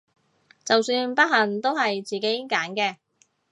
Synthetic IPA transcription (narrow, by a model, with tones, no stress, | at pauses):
t͡sɐ˨wsyː˧npɐ˥t̚hɐ˨˩nt̪o˥whɐ˨jt͡siː˨˩ke˨˥jkaː˨˥nkɛː˧